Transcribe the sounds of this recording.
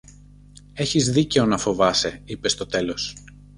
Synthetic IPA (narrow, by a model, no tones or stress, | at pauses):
e̞çizðice̞o̞nɐfo̞vɐse̞ipe̞st̪o̞t̪e̞lo̞s